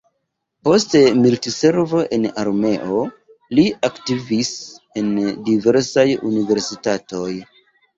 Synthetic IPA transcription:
po̞ste̞miltise̞ɾvo̞ʔe̞naɾme̞ʔo̞ | liaktivis | e̞ndive̞ɾsajṵnive̞ɾsitato̞j

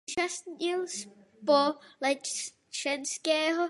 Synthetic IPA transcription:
ʒasɪls | polɛ | t͡ʃɛnskɛːɦo

